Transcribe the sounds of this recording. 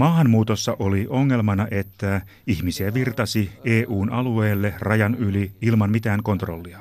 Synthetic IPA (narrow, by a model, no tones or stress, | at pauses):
mɑːɦɑnmuːt̪osːɑʔoliʔoŋːe̞lmɑnɑʔe̞t̪ːæ | içmisiæʋirt̪ɑsieːʔuːnɑlueːlːerɑjɑnyliilmɑmmit̪æːŋko̞nt̪ro̰lːiɑ